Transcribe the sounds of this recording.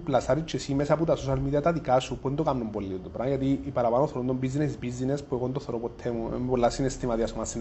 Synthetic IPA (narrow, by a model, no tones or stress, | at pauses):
plasaɾit͡ʃʰːesimesaput̪asoʃalmiðiat̪at̪ikasupuend̪okamnumbolːiod̪opɾajat̪iːpaɾapanoθoɾund̪ombizːineizbizːinespueɣond̪oθoɾopot̪ʰːemṵmpolːasinest̪imat̪iasomasin